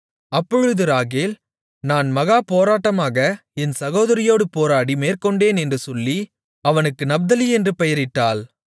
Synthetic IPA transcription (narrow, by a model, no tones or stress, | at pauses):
ɐpːɔɻɯðɯɾaːɣeːl | naːnmɐɣaːpoːɾaːʈːɐmaːɣɐɛnsɐɣoːðɐɾɪjoːɽɯpoːɾaːɽimeːrkɔɳɖeːnɛndrɯsɔlːi | ɐʋɐnɯkːɯnɐb̚d̪ɐliɛndrɯpɛjɐɾɪtːaːl